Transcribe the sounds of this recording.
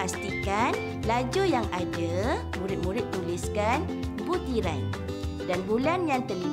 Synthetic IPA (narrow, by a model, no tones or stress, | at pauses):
ast̪ikan | lad͡ʒojaŋadə | mũɾɪt̪̚mũɾɪt̪̚ːuliskan | but̪iɾaj | danbulanjaŋt̪əli